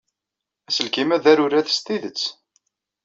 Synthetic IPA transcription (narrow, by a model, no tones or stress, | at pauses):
æsəlkimæðæɾʊɾæθə̥st̪iðət͡sː